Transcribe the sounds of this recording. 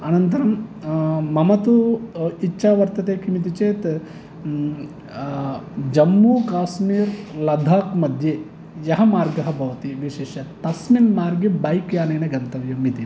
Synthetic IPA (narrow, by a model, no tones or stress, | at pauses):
ɐnɐnt̪ɐɾɐmː | ɐmɐt̪uitːʃʰaːʋɐɾt̪ɐt̪eːkʰimit̪it͡ʃeːt̪ | d͡ʒɐmːuːkaːsmiːɾlɐd̪ʱaːkmɐd̪ʱjeː | jɐɦɐmaːɾɡɐɦɐ̆bʱɐʋɐt̪iʋiʃeːʃjɐt̪ɐsminmaːɾɡibɐjkjaːneːnɐɡɐnt̪ɐʋjɐmit̪i